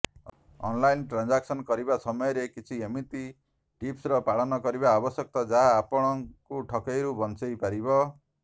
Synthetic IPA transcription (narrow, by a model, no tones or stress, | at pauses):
ɔ̰nlajnʈɾand͡ʒaksɔnkɔɾibasɔmɔjɔɾekit͡ʃʰiemit̪i | ʈipsɾɔpaɭɔnɔkɔɾiβaːbɔsjɔk̚t̪ɔd͡ʒaɦaːpɔɽ̃ɔŋkuʈʰɔkejɾubɔnt͡ʃɔjpaɾibɔ